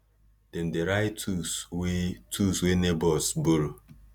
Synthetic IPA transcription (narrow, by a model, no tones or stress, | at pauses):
d̥ɛn̩deɾaɪtʰuswetʰuswenebɔsboɾo